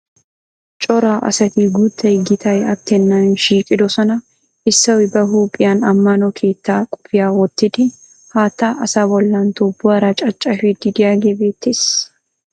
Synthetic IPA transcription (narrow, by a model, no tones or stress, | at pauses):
t͡ʃʼɔɾaːʔɐ̰sɐt̪iːɡuːt̪ːɐɪɡɪt̪ʰɐjɐt̪ːɛnːanʃiːkʼɪd̪ɔsɔnɐ | ɪsːɐwɪbɐɦuːpʼːɪjaːnɐmːanɔkʰeːt̪ːaːkʼʊ̥fɪjaːwɔt̪ːɪt̪ɪ | haːt̪ːaːʔɐsawɔlːaːnt̪ɔbːʊɐɾɐt͡ʃʼɐt͡ʃʼːɐfɪd̪ːɪd̪ɪjaːɡɛbeːt̪ːɪs